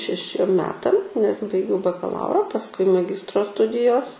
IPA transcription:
ʃʲɛˈʃʲiɛm ˈmʲæːtɐm nʲɛs bɐɪˈɡʲɛʊ bɐkɐˈlˠɐʊrɐ pɐsˈkʊɪ mɐˈɡʲɪstroː ˈstʊdʲɪjoːs

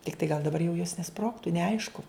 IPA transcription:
tʲɪkˈtɐɪ ɡɐlˠ dɐˈbɐr jɛʊ joːs nʲɛˈsproːktʊ nʲɛˈɐɪʃkʊ

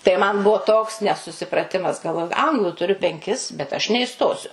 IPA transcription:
tɐɪ mɐn ˈbuɔ toːks nʲɛsʊsʲɪprɐˈtʲɪmɐs ɡɐlˠˈʋoːjʊ ˈɐŋɡlˠʊ tʊˈrʲʊ pʲɛŋʲˈkʲɪs bʲɛt ɐʃ nʲɛɪˈstoːsʲʊ

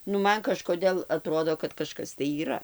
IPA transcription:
nʊ ˈmɐn kɐʃkoːˈdʲeːlˠ ɐˈtroːdoː kɐt kɐˈʃkɐs tɐɪ iːˈrɐ

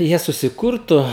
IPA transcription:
ˈjiɛ sʊsʲɪˈkʊrtʊ

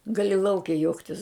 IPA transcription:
ˈɡɑːlʲɪ ˈlˠɐʊkʲɛ ˈjuɔktʲɪs

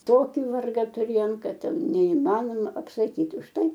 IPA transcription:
ˈtoːkʲɪ ˈʋɐrɡɐ tʊˈrʲeːjoːm ˈkɐt ˈtʲɛn nʲɛɪˈmɑːnoːmɐ ɐpsɐˈkʲiːtʲ ʊʃ ˈtɐɪ

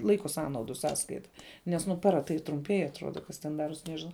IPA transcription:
ˈlˠɐɪkoː ˈsɑːnɐʊdʊ ˈsɑːskɐɪtɐ nʲɛs ˈnʊ ˈpɑːrɐ tɐɪ trʊmʲˈpʲiɛj ɐtˈruɔdɐ ˈkɐs tʲɛn ˈdɑːruɔs ˈnʲæːʒʲɪnɐʊ

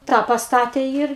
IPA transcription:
ˈtɑː pɐsˈtɑːtʲeː ˈɪr

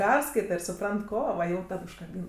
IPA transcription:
ˈpʲɛrskɐɪtɐ ɪr sʊˈprɐnt ˈkoː ʋɐ jɛʊ ˈtɐt ʊʃkɐˈbʲiːnɐ

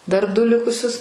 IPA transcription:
dɐr ˈdʊ ˈlʲɪkʊsʲʊs

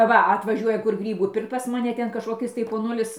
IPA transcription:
ˈʋɐ ɐtʋɐˈʒʲuɔjɛ kʊr ˈɡrʲiːbuː ˈpʲɪrkt pɐs mɐˈnʲɛ ˈtʲɛn kɐʃkoːˈkʲɪs tɐɪ poːˈnʊlʲɪs

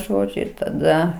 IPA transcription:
ˈʒoːd͡ʒʲʊ ɪr tɐˈdɐ

